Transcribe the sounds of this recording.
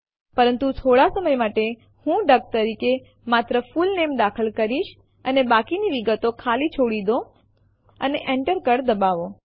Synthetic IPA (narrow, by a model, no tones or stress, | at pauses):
pəɾənt̪ut̪ʰoɽasəməjmaʈe | hũɖək̚t̪əɾike | mat̪ɾəfulnemd̪akʰəlkəɾiʃ | ənebakiniʋiɡət̪okʰalit͡ʃʰoɽid̪o | ə̰neʔɛɳʈəɾkəɾd̪əbaʋo